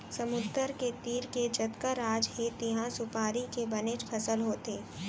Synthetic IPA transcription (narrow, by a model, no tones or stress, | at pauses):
sɐmʊd̪əɾket̪iːɾked͡ʒɐt̪kəɾaːd͡ʒɦet̪iɦãsʊpaːɾikebɐnɪd͡ʒpʰɐsəlɦoːt̪eː